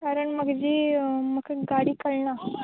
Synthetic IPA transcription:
kaɾəɳməɡd͡ʑiːməkɡaɽiːkəɭɳa

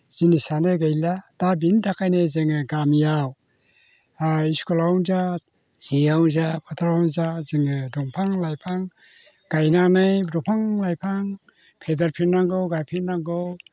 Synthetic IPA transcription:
z̥inisanɯɡajladabindakʰajnezeŋɯɡamjaw | iskɔlawnza | z̥iawzapʰatʰaɾawnzaziŋɯdɔŋpʰaŋlajpʰaŋ | ɡ̥ajnanɯjbɾɔpʰaŋlajpʰaŋ | pʰedaɾpʰinnːaŋɡɯwɡajpʰiɾnːaŋɡɯw

